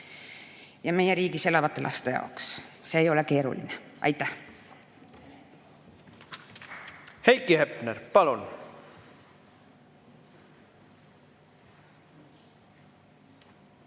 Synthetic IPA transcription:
jɑme̞jeɾiːɡise̞lɑvɑt̪ːˑelʔɑ̰st̪ejɑ̰oksse̞ːjo̞leke̞ːɾṵlḭneɑ̰jt̪ːˑæh | hejkːihepneɾpɑlun

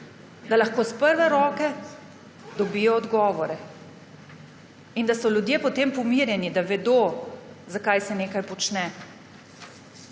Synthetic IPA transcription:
d̪alaxkoːspəɾʋɛɾɔːkɛ | d̪ɔbiːjɔːd̪ɡɔːʋɔɾɛ | ind̪asɔlʲjud̪jeːpɔt̪eːmpɔmiɾjɛnid̪aʋɛd̪ozakajsɛneːkajpɔt͡ʃnɛ

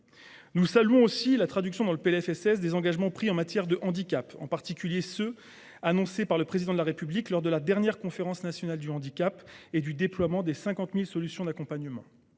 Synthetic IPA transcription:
nusalyɔ̃osilat̪χad̪yksjɔ̃d̪ɑ̃ləpeɛfɛsɛsd̪ezɑ̃ɡaʒmɑ̃pχiɑ̃mat̪jɛʁd̪əʔɑ̃d̪ikapɑ̰̃paʁt̪ikʲyljesø | anɔ̃sepaʁləpχezid̪ɑ̃d̪əlaʁepybliklɔʁd̪əlad̪ɛʁnjɛʁkɔ̃feʁɑ̃snasjɔnald̪yɑ̃d̪ikʲaped̪yd̪eplwamɑ̃d̪esɛ̃kɑ̃t̪milsɔlysjɔ̃d̪akɔ̃paɲəmɑ̰̃

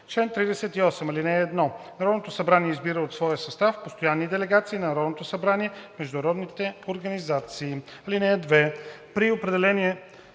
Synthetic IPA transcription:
t͡ʃlɛnt̪ɾid̪ɛsɛt̪iɔsɛmɐlinɛːd̪nɔnɐɾɔd̪not̪osɐbɾaniɛizbiɾəot̪svɔjəsɐst̪afpost̪ojanːid̪ɛlɛɡat̪siːnɐnɐɾɔd̪not̪osɐbɾaniɛmɛʒd̪ʊnɐɾɔd̪nit̪ɛoɾɡɐnizat̪siːɐlinɛd̪vɛpɾiopɾɛd̪ɛlɛniɛ

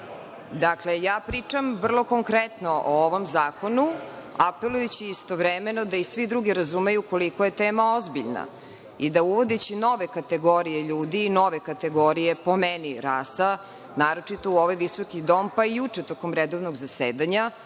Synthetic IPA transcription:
d̪aklejaːpɾit͡ʂamʋr̩lˠo̞ko̞ŋkɾet̪noʔooʋo̞mzaːko̞nuape̞lˠujut͡ɕiːst̪oʋɾemenod̪aisʋid̪ɾuɡiɾazumejuko̞likojet̪eːmaozbiʎna̰ | id̪auʋo̞d̪et͡ɕino̞ʋekat̪eɡoɾijeʎuːd̪iːno̞ʋekat̪eɡo̞ɾijepo̞meniɾaːsa | naːɾo̞t͡ʂit̪o̞uoʋajʋisokid̪o̞ːmpaijut͡ʂet̪okomɾed̪oʋnoɡzaseːd̪aɲa

